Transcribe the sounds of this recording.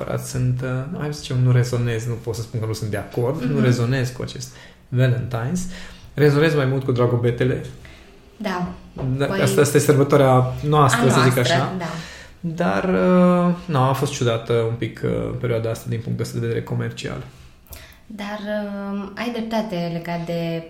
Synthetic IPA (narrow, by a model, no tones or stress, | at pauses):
pə̰ɾa̰t̪sɨnt̪ma̰jzit͡ʃemnuɾe̞zo̞ne̞znupot̪səspunkənusɨnt̪d̪eako̞rd̪nuɾe̞zo̞ne̞zkua̰t͡ʃe̞st̪ | velənt̪ajnsre̞zo̞ne̞zmajmult̪̚kud̪ɾaɡo̞be̞t̪e̞le̞ | d̪ad̪aast̪aast̪ajesərbət̪oaɾeanoastt̪ɾəsəzikaʃad̪a | d̪arənoafo̞st̪t͡ʃud̪at̪əumpikʰə̰pe̞ɾʲioad̪aast̪ad̪inpuŋkt̪east̪ad̪eed̪eɾeko̞me̞rt͡ʃia̰l | d̪arəajd̪ɾep̚t̪at̪e̞le̞ɡat̪̚d̪e̞